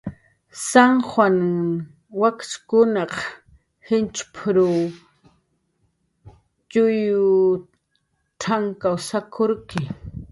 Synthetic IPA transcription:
saŋxwan | wakskʊnɑq | hɪnt͡ʃpʰɾu | t͡ʃʊjʊ | ʈ͡ʂʰaŋkawsakʰoɾkɪ

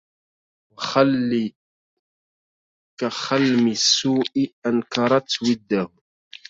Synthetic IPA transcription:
wxalːi | kaxalmɪsːuːʔɪʔankɑɾˤɑt̪ːwɪd̪ːahʊ

